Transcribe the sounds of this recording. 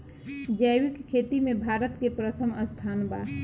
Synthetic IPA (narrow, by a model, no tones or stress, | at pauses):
d͡ʒəwɪkkʰːeːt̪imẽbʱaːɾət̪kepɾət̪ʰəməst̪ʰaːnba